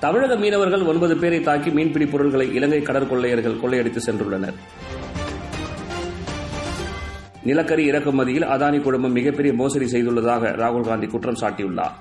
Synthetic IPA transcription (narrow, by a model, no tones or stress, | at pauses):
t̪ɐmɪɻɐɣɐmiːnɐʋɐɾɣɐɭɔnbɐðɯpeːɾɐɪt̪ːaːɾkimiːnpɪɽipːɔɾɯɭɣɐɭɐɪʔɪlɐŋɡɐɪkːɐɽɐɾkɔɭːɐjɐɾɣɐɭkɔɭːɐɪjɐɽɪt̪ːɯsɛndrɯɭːɐnɐ̰ɾ | nɪlɐkːɐɾiɪɾɐkːɯmːɐðɪjɪlʔɐðaːnikʊɻɯmbɐmːɪɣɐpːɛɾɪjɐmoːsɐɾisɛjðɯɭːɐðaːɣɐ̰ɾaːɣʊlɣaːnd̪ikʊʈrɐmsaːʈːɪjɯɭːa̰ː